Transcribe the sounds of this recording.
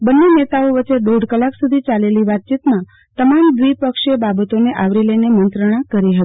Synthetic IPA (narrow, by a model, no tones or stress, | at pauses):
bənːenet̪aoʋət͡ʃeɖoɖkəlaksud̪ʱit͡ʃaleliʋat̪̚t͡ʃit̪mã | t̪əmamd̪ʋipəkʃebabət̪oneʔaʋɾilənemənt̪ɾəɽ̃ãkəɾiɦət̪i̥